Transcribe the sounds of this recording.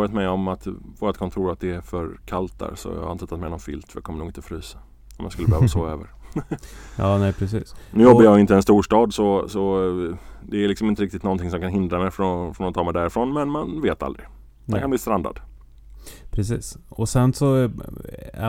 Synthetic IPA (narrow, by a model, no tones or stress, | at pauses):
ɾjat̪mɛjɔmat̪voːɾat̪kʰɔnt̪ʰuːɾat̪̚d̪ɛæfœɾkʰalt̪ːa̰ɾsɔ̰j̰haɪnt̪ʰːət̪ʰːat̪mɛɪnɔnfʏ̰lt̪fɾjɑ̰kɔmːəɳuːɡɪnt̪əfɾyːsḁ | ɔmjɑ̰skɵləbɛhøvvasɔøːvə̰ɾ | jɑːnɛpʰɾɛsḭːsnʉ̟ːjɔbːəjɑɡɪnt̪əɛnst̪uːʂʈɑːd̪sɔsɔ | d̪ɛːlɪksɔmɪnt̪əɾɪk̚t̪ɪt̪nɔnt̪ɪŋs̬ɔmkanɦɪnd̪ɾamɛjfɾɔfɾɔnat̪ʰɑːmɛjd̪æːɾɪfɾɔnmɛnmanveːt̪a̰ld̪ɾɪ | d̪ɛnkʰanbliːst̪ɾand̪a̰d̪ | pʰɾɛsiːsɔsɛnsɔ